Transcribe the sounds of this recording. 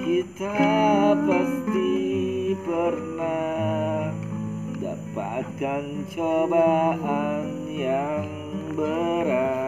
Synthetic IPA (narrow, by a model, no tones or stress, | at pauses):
kit̪apast̪i | pərna | əda̰pat̪̚kant͡ʃobaʔan | jaŋ | bəɾa